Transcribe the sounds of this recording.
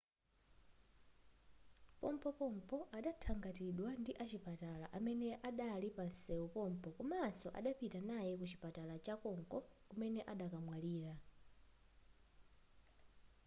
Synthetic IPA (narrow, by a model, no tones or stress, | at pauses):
pɔmpɔpɔm̩pʰɔʔaɗatʰaŋɡatiɗwandiʔat͡ʃipatala̰ʔamɛnɛʔaɗalipansɛupɔm̩pɔkɔmaːsɔʔa̰ɗapitanajɛkut͡ʃi̥patalat͡ʃakɔŋkɔkumɛnɛʔaɗakamwaliːɾa